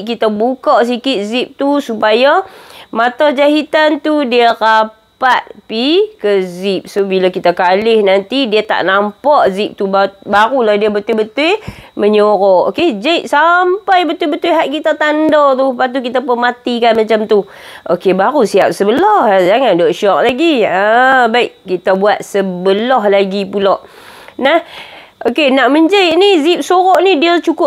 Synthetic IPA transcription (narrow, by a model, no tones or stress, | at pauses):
ʔkit̪abukaʔs̬ikɪt̪̚zip̚t̪usupajamat̪ad͡ʒaɦit̪ant̪udiara | pat̪̚pikəzip̚sobilakit̪akalɪhnant̪idiət̪a̰ʔnampaʔzip̚t̪ubabaɾulahdiəbət̪ʊbət̪ujməɲoɾɔʔo̰ked͡ʒaiʔsampajbət̪ubət̪ʊjɦaʔkit̪at̪andɔt̪ʊpat̪̬uk̬it̪apʊnmat̪ikanmat͡ʃamt̪u | ʔokebaɾusiap̚səbəlɔhd͡ʒaŋandɔʔʃɔk̚laɡiəbaiʔkit̪abuat̪̚səbəlɔhlaɡipulɔʔ | nah | ʔokenaʔməɲd͡ʒəjʔnizip̚soɾɔʔnidiat͡ʃukʊ